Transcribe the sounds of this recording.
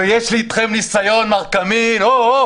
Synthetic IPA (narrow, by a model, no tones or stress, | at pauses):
ejɛʃlit̪χemnisajonmaʁkamino